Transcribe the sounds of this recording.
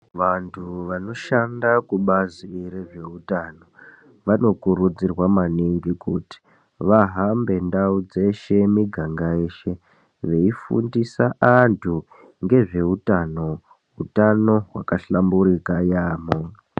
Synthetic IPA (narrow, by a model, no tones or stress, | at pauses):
ʋantʰuʋano̞ʃandakuɓaziɾeʐe̞utano̞ | ʋano̞kuɾud͡zirwamaniŋɡikuti̥ | ʋaɦambe̞ndaud͡ze̞ʃe̞miɡʱaŋɡaeːʃe̞ | ʋe̞ifṵndisaʔantʰu | ŋɡe̞ʐe̞utano̞ | ɦutano̞ɦwa̰kaɬambuɾikajaːmo